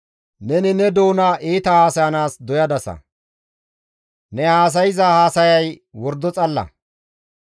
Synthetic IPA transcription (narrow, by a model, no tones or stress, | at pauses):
nɛnɪnɛd̪o̞ːnaʔeːt̪ɐhaːsɐjɐnaːsd̪ɔjɐd̪ɐsɐ̰ | nɛhaːs̬ɐjɪzɐhaːsɐjɐjwɔɾd̪ɔt͡sʼɐlːɐ̰